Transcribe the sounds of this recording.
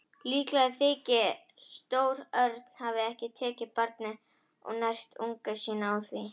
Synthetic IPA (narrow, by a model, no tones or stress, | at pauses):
liːklaðθɪːcɪ | st̪oːwɾœɾt̪n̥havɪɛhcɪt̪ʰɛːcɪpaɾt̪̚nɪ | ɔ̰ɣnajr̥st̪uŋkasiːnaawθvi